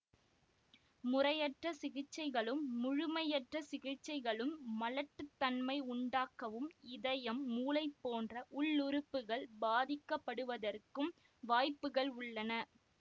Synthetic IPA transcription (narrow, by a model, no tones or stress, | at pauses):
mʊrɐjɐʈrɐsɪɣɪt͡ʃːɐɪɣɐɭɯmːʊɻʊmɐjɐʈrɐsɪɣɪt͡ʃːɐɪɣɐɭɯmːɐlɐʈːɯt̪ːɐnmɐɪʊɳɖaːkɐʋɯmɪðɐjɐmːuːlɐɪpːoːndrɐʔʊɭːʊɾʊpːɯɣɐɭbaːðɪkːɐpːɐɽɯʋɐðɐrkɯm | ʋaːjpːɯɣɐɭʊɭːɐnɐ